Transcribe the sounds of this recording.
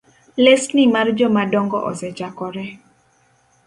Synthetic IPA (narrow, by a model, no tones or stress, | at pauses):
lestnɪmard͡ʒɔmadɔŋɡɔʔɔ̰sɛt͡ʃakɔɾɛ